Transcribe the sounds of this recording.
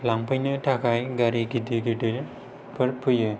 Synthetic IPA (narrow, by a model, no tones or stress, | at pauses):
laŋpajnɯʈʰakʰajɡaɾiɡid̪iɡidiɾ | pʰɯɾpʰuje